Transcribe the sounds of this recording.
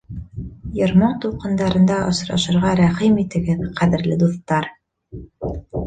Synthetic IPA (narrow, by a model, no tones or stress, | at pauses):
jɤ̆ɾmɑɴt̪uqɤ̆nd̪ɑɾɤ̆nd̪ɑʔŏsɾɑ̰ʃɤ̆ɾʁɑɾæχimit̪ɘ̆ɡɘðqæðɘ̆ɾlɘd̪uθt̪ːɑɾ